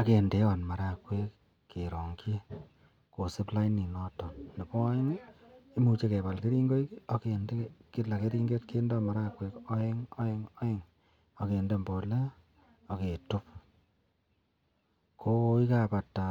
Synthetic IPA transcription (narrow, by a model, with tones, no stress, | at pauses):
a˨ke˨nde˨˦ɔ˨nma˨ɾa˨kwe˦kː | e˨ɾɔ˨ŋki˦ | ko˨sɪ˦pla˦ini˨nɔ˦tɔ˨nne˨pɔ˦e˦ŋi˦mu˧t͡ʃe˦ke˨pa˨lki˦ɾi˦ŋɡo˦i˦ko˨ke˨nde˦ki˦la˨ke˦ɾi˦ŋɡe˦t̚ke˦ndɔ˦ma˨ɾa˦kwe˨ko˦e˦ŋo˦e˦ŋɔ˦e˦ŋ | o˨ke˨nde˦mbɔ˨le˦ | o˨ke˨tu˦p̚ | kʰo˦i˦ka˦˨pa˨tːa˨